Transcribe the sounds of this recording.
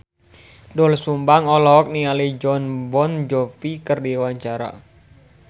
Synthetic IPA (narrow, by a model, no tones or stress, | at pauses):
dɔlsumbaŋɔlɔk̚nialid͡ʒɔnbɔnd͡ʒɔfikərdiwaɲt͡ʃaɾa̰